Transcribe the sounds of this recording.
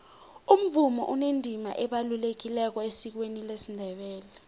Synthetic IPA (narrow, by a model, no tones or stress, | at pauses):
um̩vumɔ̰ʔunendʱima̰ʔɛɓalulek̬ilɛk̬ɔesik̬wenilesindʱɛɓɛːlɛ